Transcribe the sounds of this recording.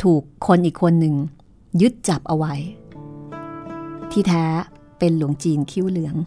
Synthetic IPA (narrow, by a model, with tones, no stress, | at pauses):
t̪ʰuː˨˩kʰːo˧nʔiː˨˩kʰːo˧nːɯ˨˩ŋ | jɯ˦˥t̪̚t͡ɕa˨˩p̚ʔa˧wa˧j | t̪ʰiː˥˩t̪ʰɛː˦˥ | pe˧nlu˨˩˦əŋt͡ɕiː˧nkʰi˥˩wlɯ˩˦əŋ